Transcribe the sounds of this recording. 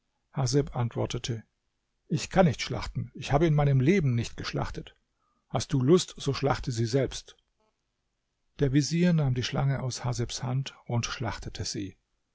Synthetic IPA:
hazɛpʔantv̥ɔɐtətʰə | ʔɪçkʰanːɪçtʃla̰χtn̩ɪçhaːbəɪnmaɪnəmleːbm̩nɪçt̚ɡ̥əʃla̰χtət | hast̚d̥uːlʊstz̥oːʃla̰χtʰəziːzɛlpst | d̥eːɐviziːɐnaːmdiːʃlaŋəʔaʊshazɛpshantʊntʃlaχtətʰəz̥iː

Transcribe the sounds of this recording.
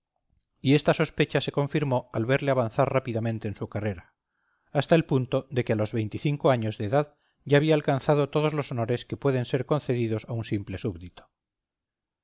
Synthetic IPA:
ie̞st̪aso̞spe̞t͡ʃase̞kõ̞ɱfiɾmo̞alβe̞ɾleaβ̞anθarrapiðamẽ̞nt̪e̞ːnsukare̞ɾaː | st̪aelpunt̪o̞ðe̞kealo̞zβe̞jnt̪iθiŋkoaɲo̞zðeːðað | ɟ͡ʝaːβ̞iaːlkanθaðot̪o̞ð̞o̞zlo̞sono̞ɾeske̞pwe̞ðe̞nse̞ɾko̞nθe̞ðiðo̞saunsimple̞suβðit̪o̥

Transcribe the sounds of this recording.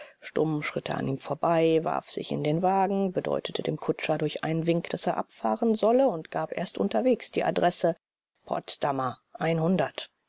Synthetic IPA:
ʃtʊmʃʁ̥ɪtʰə̰ʔa̰niːmfoːɐbaɪva̰ɐfz̥ɪ̰çɪ̰ndeːnvaːɡŋ̩bədɔ̰ʏtətʰəd̥ḛːmkʰʊt͡ʃɐdʊɐçʔaɪnənvɪŋkd̥aseːɐʔapfaːʁənzɔləʊntɡ̥aːpʔeːɐstʔʊntɐveːksd̥iːʔa̰dʁɛsə | pʰɔ̰tstamɐʔaɪnɦʊndɐt

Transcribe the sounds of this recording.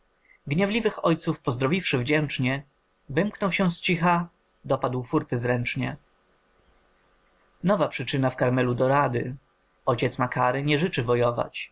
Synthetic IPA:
ɡɲɛvlʲivɘxɔjt̪sufpɔzd̪ɾɔvʲifʂɘvd͡ʑɛnt͡ʂɲɛ | vɘmknɔwɕɛ̃st͡ɕixa | d̪ɔpad̪wfuɾt̪ɘzɾɛnt͡ʂɲɛ | nɔvapʂɘt͡ʂɘnafkaɾmɛlud̪ɔɾad̪ɘ | ɔt͡ɕɛt̪smakaɾɘɲɛʐɘt͡ʂɘvɔjɔva̰t͡ɕ

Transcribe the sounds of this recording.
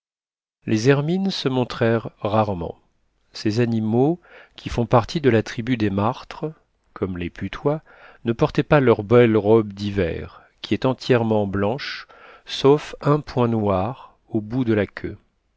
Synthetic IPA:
lʔezɛʁminsəmɔ̃t̪χɛʁːaʁmɑ̰̃ | sezanimokʲifɔ̃paʁt̪ʰid̪əlat̪χibyd̪emaʁt̪χə | kɔmlepyt̪ʰwa | nəpɔʁt̪ɛpalœʁbɛlʁɔbd̪ivɛ̰ʁ | kʲiɛt̪ɑ̃t̪jɛʁmɑ̃blɑ̃ʃ | sofɛ̃pwɛ̃nwaʁ | obud̪əlakʲʰø̰

